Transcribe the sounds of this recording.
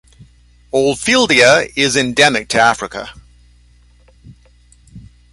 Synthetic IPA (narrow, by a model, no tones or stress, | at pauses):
ɔlˠfilˠdiəɪzɛ̃ndɛmɪk̚tʰəafɹɪkə̰